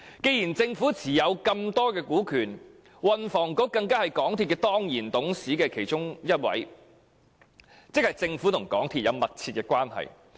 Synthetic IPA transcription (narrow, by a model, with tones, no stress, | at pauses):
ke˧jiː˨˩nt͡sɪ˧ŋfuː˨˥t͡sʰiː˨˩jɐ˨˧wkɐ˧mt̪ɔː˥kɛː˧kuː˨˥kʰyː˨˩n | wɐ˨nfɔː˨˩ŋkɔː˨˥kɐ˧ŋkaː˥hɐ˨jkɔː˨˥ŋt̪ʰiː˧t̚kɛː˧t̪ɔː˥ŋjiː˨˩nt̪ʊ˨˥ŋsiː˨˥kɛː˧kʰe˨˩jt͡ʃʊ˥ŋjɐ˥t̚wɐ̰˨˥j | t͡sɪ˥k̚hɐ˨jt͡sɪ˧ŋfuː˨˥t̪ʰʊ˨˩ŋkɔː˨˥ŋt̪ʰiː˧t̚jɐ˨˧wmɐ˨t̚t͡sʰiː˧t̚kɛː˧kʷwaː˥nhɐ̰˨˩j